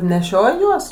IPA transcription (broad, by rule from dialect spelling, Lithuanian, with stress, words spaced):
nʲɛˈʃʲoːj ˈjuɔs